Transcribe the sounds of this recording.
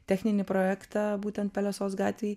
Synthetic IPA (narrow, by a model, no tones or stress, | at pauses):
t̪ʲɛxʲnʲɪnʲɪpɾoːjækt̪ɑbuːt̪ʲɛnt̪̚pʲɛlʲɛsoːsɡɑːt̪ʲʋʲeː